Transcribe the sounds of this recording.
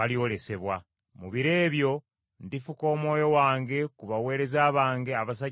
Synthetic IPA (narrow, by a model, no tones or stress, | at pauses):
aliole̞se̞βwa | muβiɾe̞ːβjo̞ | ndifuko̞ːmwo̞ːjo̞waːŋɡe̞kuβawe̞ːɾe̞zaːβaːŋɡe̞aβas̬a